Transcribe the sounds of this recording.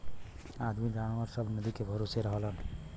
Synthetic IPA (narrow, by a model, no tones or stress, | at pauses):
ad̪ʱmiɡaɽ̃aɾsəbʱnəd̪ikebʱəɾoseɾəɦəlɦən